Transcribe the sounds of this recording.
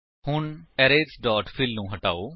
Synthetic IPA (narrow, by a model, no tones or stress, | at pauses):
hʊɳɛːɾeːsɖɔːʈpʰɪlnũːɦəʈa̰ːoː